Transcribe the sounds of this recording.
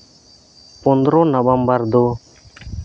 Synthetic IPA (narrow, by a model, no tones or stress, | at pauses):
pɔnd̪ɾɔnəbəmbəɾd̪ɔ